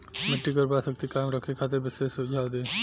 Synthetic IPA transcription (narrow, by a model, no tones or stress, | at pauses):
meʈːikɔɾpɾasək̚t̪ikamɾɔkʰekʰat̪eɾbɪsesud͡ʒʱawd̪e